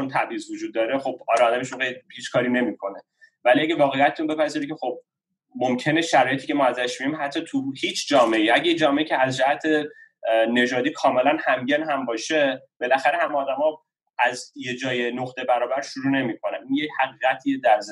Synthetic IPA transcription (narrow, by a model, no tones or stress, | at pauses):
t͡ʃont̪ʰæbɾiːzvod͡ʒuːd̪̚ːɒːɾexo̞bɒːɾɒːd̪æmeʃunɢejhiːt͡ʃkʰɒːɾine̞miːkʰo̞ne̞ | væliæɡevɒːɣejæt̪et̪ʰunbe̞pʰæziɾecʰʲe̞xo̞b̚ | momcʰe̞neʃæɾɒːjet̪ʰiːcʰe̞mɒːæzæʃmiimɦæt̪ʰːɒːt̪ʰuhiːt͡ʃʰd͡ʒɒːme̞iːʔæɟejed͡ʒɒːme̞icʰeæzd͡ʒæhæt̪ʰe̞ | ne̞d͡ʒɒːd̪iːkʰɒːme̞lænhæmɟenɦæmbɒːʃe̞b̥e̞læxæɾehæmeɒːd̪æmɒ | æzje̞d͡ʒɒːjenoχt̪e̞bæɾɒːbæɾʃuɾuːne̞mikʰo̞næninjechæɣiːʁæt̪ʰiːed̪æɾz